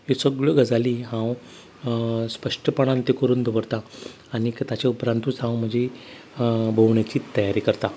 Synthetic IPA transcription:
ɦesəɡɭəɡəd͡zaliːɦãw | spəʂʈəpəɳ̃ãnt̪ekəɾuːnd̪ʱəʋəɾt̪aː | ɽ̃ikt̪at͡ɕaupɾant̪uːt͡sɦãwm̤əd͡ʑe | bʱəʋɳjat͡ɕiːt̪əjaɾiːkəɾt̪a

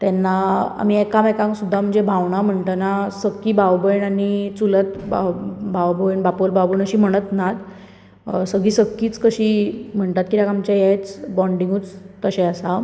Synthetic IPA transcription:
t̪ɛnːaa̰m̤iekamekãŋksud̪ʱːam̤əɳd͡zebʱaʋɳam̤əɳt̪ənasəkːiːbʱaʋbəjɳanit͡sulət̪ | bʱawbəjɳbapolbʱawbəɳəɕiːm̤əɽ̃ət̪nat̪ | səɡiːsəkːiːt͡skəɕiːm̤əɳt̪at̪̚kit̪jakamt͡ɕajajt͡sbɔɳɖiŋɡut͡st̪əɕeasa

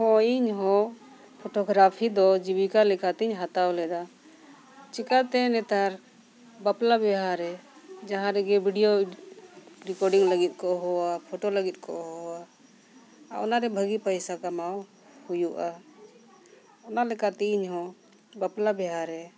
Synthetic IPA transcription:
hɔiɲɦɔ̃ | pʰɔʈɔɡɾapʰid̪ɔd͡ʒibikalɛkat̪ɛiɲɦat̪awlɛd̪a | t͡ʃikat̪ɛnɛt̪aɾ | baplabɛɦaɾɛ | d͡ʒaɦãɾɛɡɛbʱiɖijo | ɾikɔɾɖiŋləɡit̪̚ˀkɔʔɦɔwapʰɔʈɔləɡit̪̚ˀkɔ̰ʔɦɔa | a̰ɔ̰naɾɛbʱəɡipəjsakamaw | hujuʔa | ɔnalɛkat̪ɛiɲɦɔ̃ | baplabɛɦaɾɛ

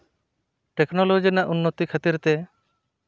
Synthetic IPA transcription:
ʈeknɔlod͡ʒinaʔunːot̪ikʰat̪iɾt̪e

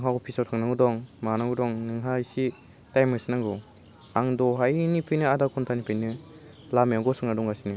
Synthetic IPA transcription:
ŋɦaɡɔpʰisɔwtʰaŋnaŋɡudɔŋmanaŋɡudɔŋnɯŋɦaisi | tajmɯsinaŋɡɔ | aŋdɔɦajnipʰijnɯadakʰuntʰanipʰɯjnɯ | lamjaɡɔsuŋnadɔŋasini

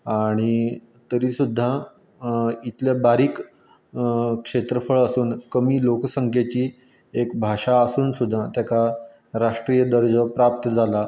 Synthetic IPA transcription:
aɽ̃i | t̪əɾiːsud̪ʱːa | it̪ljabaɾiːk | kʂet̪ɾəfəɭəsuːnkəmiːloksəŋkʰjat͡ɕiː | ekbʱaʂaəsuːnsud̪ʱːat̪jaka | ɾaʂʈɾijəd̪əɾd͡ʑəpɾap̚t̪əd͡zʱala

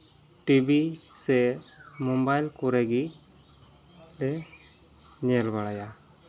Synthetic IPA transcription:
ʈibisɛmɔmbajlkuɾɛɡi | ɛ | ɲɛlbaɽaja

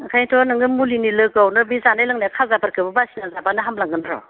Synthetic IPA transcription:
kʰajtʰɔnɯŋɯmulinilɯkawnɯbizanajlɯŋnajkʰazapaɾkʰɯbɯbasinazapanɯɦamlaŋɡɯnɾɔ̰

